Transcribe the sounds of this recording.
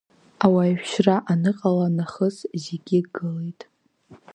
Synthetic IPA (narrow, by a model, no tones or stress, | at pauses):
awajʃᶣʃraʔanɨqʼalanaχəszeɡʲiɡɨlejtʼ